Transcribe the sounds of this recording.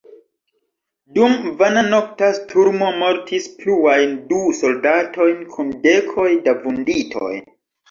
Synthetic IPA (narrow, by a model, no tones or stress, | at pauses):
dumvanano̞k̚tastʰuɾmo̞mo̞ɾtʰispluajnduso̞ldato̞jnkʰunde̞kʰo̞jdavunditʰo̞̰j